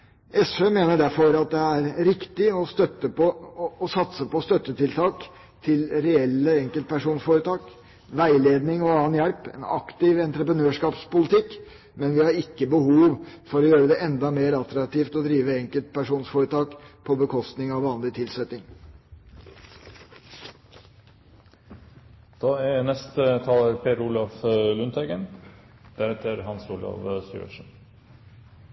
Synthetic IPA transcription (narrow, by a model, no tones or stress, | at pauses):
ʔɛsfemeːnəɖæɾfɔɾɑt̪̚d̪ɛæɾɾɪkt̪ɪɔst̪œt̪ːəpɔɔsɑt̪səpɔst̪œt̪ːət̪ʰɪlt̪ʰɑːk | t̪ʰɪlɾɛɛlːəɛŋkəlt̪pʰæʂuːnsfoːɾət̪ʰɑːk | ʋæɪleːd̪nɪŋɔɑːənjælpɛ̰nɑ̰kt̪ɪʋɛnt̪ɾəpɾənøːʂkɑːpspʊlɪt̪ʰɪkː | mɛnʋɪhɑɾɪkːəbəhuːʋfɔɾɔjøːɾəd̪ɛʔɛnd̪ɑmeːɾɑt̪ɾɑk̚t̪iːft̪ɔd̪ɾiːʋəɛŋkəlt̪̚pʰæʂuːnsfɔːɾət̪ʰɑːkpʰɔbəkʰɔst̪nɪŋɑʋʋɑːnlɪt̪ʰɪlsɛt̪ːɪŋ | d̪̥ɑːɛnɛst̪ət̪ʰɑːləɾpʰeːɾuːlɑflʉnt̪ʰɛɡən | d̪̥æɾɛt̪ʰəɾhɑnsuːlɔ̰ʋsʉ̰ːə̰ʂn